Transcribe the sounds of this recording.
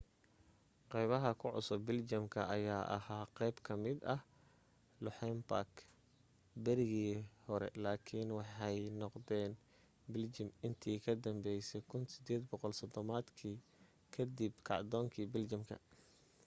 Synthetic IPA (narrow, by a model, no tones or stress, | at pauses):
qɛjβɐɦɐkʰʊʕʊ̰sʊbɪld͡ʒɐmkʰɐʔɐjaːʔɐ̰haːqɛjbkʰɐmɪd̪ɐh | lʊħɛmpak | bɐɾɪɣiːhɔɾɛ̰laːkʰɪnwɑħɑjnɔqd̪ɛːn | bɪld͡ʒɪmɪnt̪ʰiːkʰɐd̪ɐmbɛjsɛkʰʊnsɪd̪ɛːd̪bɔqɔlsɐd̪ɔmaːd̪kʰiː | kʰɐd̪ibkʰɑʕd̪ɔːŋkʰiːbɪlt͡ʃɐmkʰɐ̰